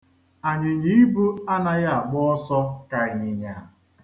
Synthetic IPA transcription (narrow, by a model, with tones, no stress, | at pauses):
a˨ɲɪ˨ɲi˦i˦bu˦a˦na˦ja˦a˨ɡ͡bɔ˦ɔ˦sɔ˦ka˨e˨ɲɪ˨ɲa˨